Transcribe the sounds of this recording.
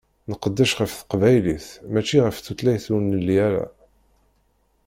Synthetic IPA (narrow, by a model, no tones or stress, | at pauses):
nəqəd̪ːæʃʁəfθə̥qvæjliθmæt͡ʃːiʁəfθut̪læjθunːəlːiæɾa̰